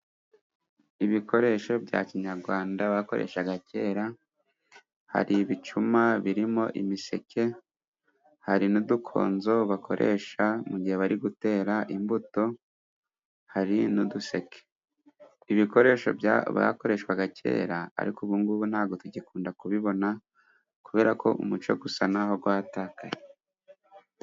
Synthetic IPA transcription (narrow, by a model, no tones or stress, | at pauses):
iβiko̞ɾe̞ʃo̞bɟa̰ːciɲaɾɡwaːndaβako̞ɾe̞̰ːʃaɡace̞ːɾa | ha̰ɾiβit͡ʃumaβiɾimo̞ʔimise̞̰kʰe̞ | haɾinudukʰo̞̰ːnzo̞βakʰo̞̰ɾʔe̞̰ʃamuɟihe̞βaɾiɡute̞ːɾaʔimbuto̞ | haɾinuduse̞kʰe̥ | iβiko̞ɾe̞ːʃo̞̰bjaβa̰ko̞ɾe̞ʃkwaɡacʰe̞̰ːɾaa̰ɾikuβuŋɡuβunhaːɡo̞tuɟekuːndakuβiβo̞na | kuβe̞ːɾako̞̰ʔṵmut͡ʃo̞̰ɡusanaɦo̞ɡwaːtaːkaje